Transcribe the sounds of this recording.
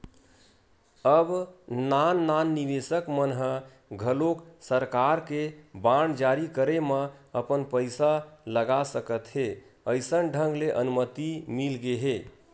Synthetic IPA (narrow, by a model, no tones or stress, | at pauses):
əbnanːanːiʋesəkmənɦə | ɡʱəloksəɾkaɾkebaɳ̃d͡ʒaɾikəɾeməəpənpəɪsaləɡasəkət̪ɦe | əɪsənɖʱəŋɡleʔənumət̪imilɡeɦe